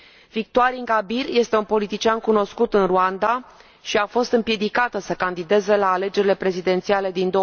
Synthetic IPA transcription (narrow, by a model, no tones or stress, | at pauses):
vik̚t̪oaɾiŋɡabirje̞st̪e̞unpo̞lit̪it͡ʃiankuno̞skut̪ɨnruand̪a | ʃiafo̞st̪ɨmpje̞d̪ikat̪əsəkand̪id̪e̞ze̞laːle̞d͡ʒe̞ɾile̞pɾe̞zid̪e̞nt̪siale̞d̪ind̪o